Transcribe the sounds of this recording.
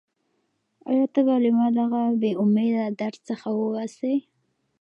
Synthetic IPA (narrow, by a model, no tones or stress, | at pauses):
a̰jɑt̪abɑlimad̪aɣabeʊmed̪ad̪aɾt͡səxawəase